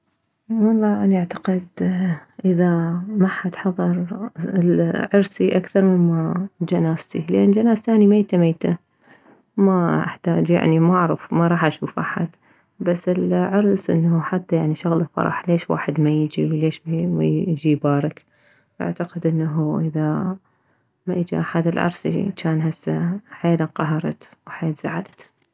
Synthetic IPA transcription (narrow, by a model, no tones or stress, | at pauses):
wɑlˤːɑːʔaniʔaʕt̪ḁqɪd̪ʔɪðamaħːat̪ħɑðˤɑɾˤɪlʕɑɾsiʔakθɑɾˤmɪnmad͡ʒanaːst̪ilʔeːnd͡ʒanaːzt̪aːnimajt̪amejt̪a | maʔa̰ħt̪aːd͡ʒja̰ʕnimaʔaʕɾɑ̰fmaɾˤɑːħʔaʃuːfʔaħat̪ | basːɪlʕɑɾˤsʔɪ̰nːhuħat̪ːajaʕniʃʊɣlɪfɑ̰ɾˤɑ̰ħleːʃwa̰ːħɪd̪majɪd͡ʒiwleːʃmajɪd͡ʒibaːɾˤɑk | ʔa̰ʕt̪aqɪd̪ʔɪnːaɦuʔɪða | majɪd͡ʒḭʔaħad̪ɪlʕɑ̰ɾˤsḭt͡ʃaːnɦasːaħaeːlaqɑɦɑɾˤɑ̰t̪wħeːt̪z̥a̰ʕad̪ḁt̪